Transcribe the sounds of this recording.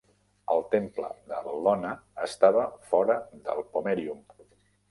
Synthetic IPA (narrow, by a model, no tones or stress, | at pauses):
ə̰lˠt̪emplə̰ðəlɔnəːst̪aβəfɔɾəðə̰lˠpomɛɾium